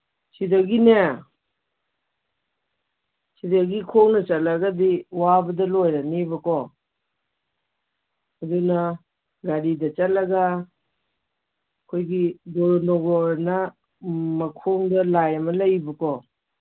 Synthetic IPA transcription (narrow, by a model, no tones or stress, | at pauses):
sidɐɡine | sidaɡikʰoŋnɐt͡ʃalaɡadiwabɐdɐlojɾanibɐkɔ | ɐdunɐ | ɡaɾidɐt͡ʃalaɡa | kʰojɡidɔɾnɔɡɔɾnɐ | mɐkʰoŋdɐlajɐmɐlɐjbɐkɔ